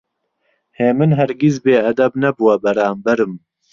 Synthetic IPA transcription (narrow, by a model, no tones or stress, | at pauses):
heːmɨnɦɛɾɡizbeːɐd̪ɐbnɛbuwɛbɛɾaːmbɛɾɨm